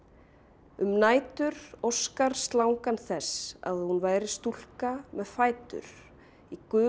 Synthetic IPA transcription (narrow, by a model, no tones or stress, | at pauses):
ʏmnaːjt̪ʏɾɔskaɾ̥st̪lawŋkanθɛsa̰ðhunvaːjɾɪ̥st̪ul̥kamɛðfaːjt̪ʏ̰ɾ̥ | ikʏː